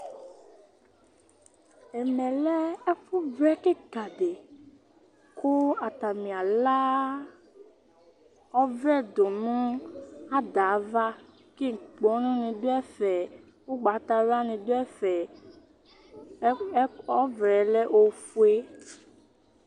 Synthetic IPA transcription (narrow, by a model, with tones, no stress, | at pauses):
ɛ˨mɛ̃˨lɛ˦ɛ˦fu˦vɾɛ˦ke˦ɡa˨ɖe˨ | ko˦a˨t̪a˨mĩ˨a˨la˦ | ɔ˦vɾɛ˦˨d̪o˨nũ˦a˦d̪a˨˦va˦ | ke˦ŋ̩˨k͡pɔ˨˦nũ˦nẽ˨d̪o˦ɛ˦fɛ˨ | wo˦ɡ͡ba˨˦t̪a˨ɾa˦nẽ˨d̪o˦ɛ˦fɛ˨˦ | ɔ˦vɾɛ˨˦lɛ˦ʔo˦fu˦e˦